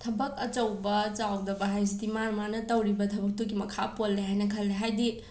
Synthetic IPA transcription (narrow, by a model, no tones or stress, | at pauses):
tʰɐbɐkɐt͡ʃɐwbɐt͡ʃawdɐbɐɦajs̬itimaɾmanɐtɐwɾibɐtʰɐbɐk̚tuɡimɐkʰapolːeɦajnɐkʰɐlːeɦajdi